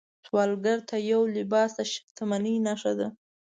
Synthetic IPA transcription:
swɑlɡaɾt̪ʰajawlɪbɑsaʃɪ̥kt̪ʰamaninaʂad̪a

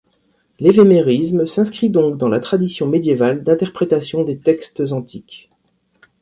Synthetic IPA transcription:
levemeʁismsɛ̃skχid̪ɔ̃kd̪ɑ̃lat̪χad̪isjɔ̃med̪jevald̪ɛ̃t̪ɛʁpχet̪asjɔ̃d̪et̪ɛkst̪zɑ̃t̪ʰik

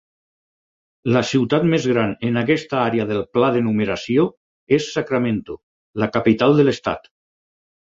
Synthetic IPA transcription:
lasiwt̪at̪mezɣɾanenakɛst̪aaɾeaðelˠplaðenumeɾasio | esːakɾamẽnt̪u | lakapit̪alˠd̪elest̪a̰t̪

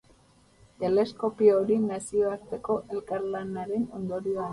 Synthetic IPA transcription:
t̪e̞le̞sko̞pioɾinasio̞aɾt̪e̞ko̞ʔe̞lkaɾlanaɾe̞no̞nd̪o̞ɾioa

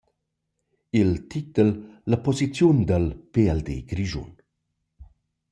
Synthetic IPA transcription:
ilt̪ʰit̪əlːəpɔzit͡sjund̪əlpeɛld̪ḛɡɾiʒṵn

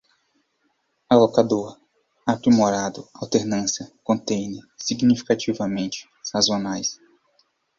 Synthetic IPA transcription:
alokad̪oɾ | apɾimoɾad̪ʊawt̪eɾnɐ̃sjɐkõnt̪ẽjnɪsiɡnifi̥kat͡ʃivɐmẽnt͡ʃɪ̥sazonajs

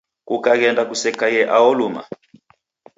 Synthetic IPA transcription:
kukak̬ɛndakusɛkajɛʔaɔluma̰

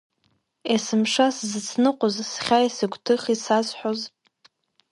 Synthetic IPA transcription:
esɨmʂaszɨt͡sʰnɨqʷʼozsχʲaisɨɡʷʰʼtʰɨχisazħʷᶣoz

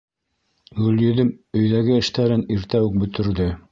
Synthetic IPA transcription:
ɡɵ̆ljɵ̆ðɘmɵ̆jðæɡɘɘ̆ʃt̪æɾɘniɾt̪æwɘk̚bɵ̆t̪ɵ̆ɾðɘ

